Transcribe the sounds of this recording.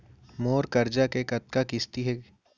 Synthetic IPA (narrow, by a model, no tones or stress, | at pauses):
moːɾkɐɾd͡ʒakekɐt̪kakɪst̪iɦɛː